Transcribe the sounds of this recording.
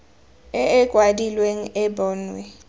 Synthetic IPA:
ɛɛɡ̥ʱwadilweŋ̩ɛbɔːnwɛ

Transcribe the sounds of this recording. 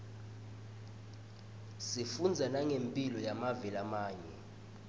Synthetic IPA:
sifund͡zʱanaŋempʼilɔjamavɛlamaːɲɛ

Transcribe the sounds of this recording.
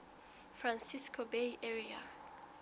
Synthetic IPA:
frãnsiskʰobejʔɛɹia̰

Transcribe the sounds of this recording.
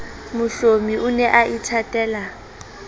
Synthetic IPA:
mʊɬomiʔʊnɛʔaʔitʰatʼɛːla

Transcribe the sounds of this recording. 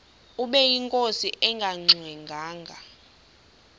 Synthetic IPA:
uɓɛjiŋkʼosiʔɛŋɡʱaŋ͡ǀʱwɛŋɡʱaːŋɡʱa

